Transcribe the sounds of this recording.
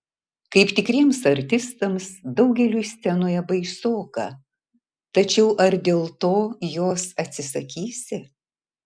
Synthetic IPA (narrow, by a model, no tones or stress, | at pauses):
kɐɪpt̪ʲɪkɾʲiɛmsɐɾʲt̪ʲɪst̪ɐmsd̪ɐʊɡʲɛlʲuːsʲt̪ʲɛnoːjɛbɐɪsoːkɐ̰ | t̪ɐt͡ʃʲɛʊʔɐɾd̪ʲeːlˠt̪oːjoːsɐt̪ʲsʲɪsɐkʲiːsʲɪ